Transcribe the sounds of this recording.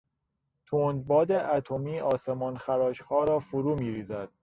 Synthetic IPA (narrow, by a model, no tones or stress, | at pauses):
t̪ʰoːnd̪̚bɒːd̪eʔæt̪ʰomiːɒːsemɒːnxæɾɒːʃhɒːɾɒːfoɾuːmiːɾiːzæd̪̥̚